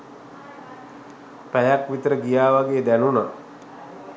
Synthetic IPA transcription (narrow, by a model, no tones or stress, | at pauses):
pæjakʋit̪əɾəɡijaːʋaɡeːd̪ænuna